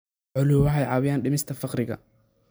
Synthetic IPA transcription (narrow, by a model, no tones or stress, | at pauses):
ʕʊlʊwɑħɑjʕɑːwɪjaːnɖɪmɪst̪ʰɐfɑqɾɪɣɐ̰